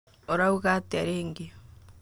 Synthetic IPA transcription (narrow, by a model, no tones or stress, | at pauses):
oɾauɣateaɾeːŋɡi